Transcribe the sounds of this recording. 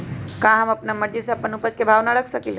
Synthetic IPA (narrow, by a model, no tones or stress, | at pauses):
kãɦəməpnaməɾd͡ʒiseəpənupət͡ʃkebʱaʋnaɾəkʰsəkil